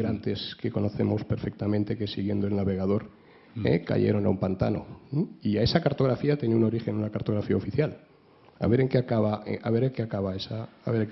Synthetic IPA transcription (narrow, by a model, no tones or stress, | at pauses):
ɾant̪e̞ske̞ko̞no̞θe̞mo̞spe̞ɾfe̞k̚t̪amẽnt̪e̞ke̞siɣje̞nd̪oelnaβe̞ɣ̞að̞o̞ɾ | ḛka̰ʝḛɾo̞naumpant̪a̰no̞̰iae̞sakaɾt̪o̞ɣɾafiat̪jeneuno̞ɾixe̞nunakaɾt̪o̞ɣɾafiaofiθjal | a̰βe̞ɾeŋkeakaβaaβe̞ɾeŋkeakaβaesaːβeɾ